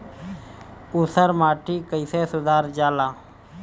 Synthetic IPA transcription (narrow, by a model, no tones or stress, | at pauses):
usəɾmaːʈiːkəɪseːsʊd̪aːɾd͡ʒaːlaː